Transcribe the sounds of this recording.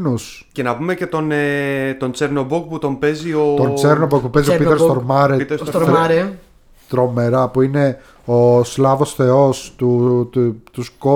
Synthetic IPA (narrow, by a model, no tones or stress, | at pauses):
nus | ce̞nɐpumece̞t̪o̞net̪o̞nt͡seɾnobuk̚put̪o̞mpe̞ziot̪ont͡seɾnobok̚pupezioɾpit̪esst̪oɾmɐɾesst̪ɾɾe | t̪ɾo̞me̞ɾɐpuine̞ | oslɐvo̞sθe̞o̞st̪u | t̪usko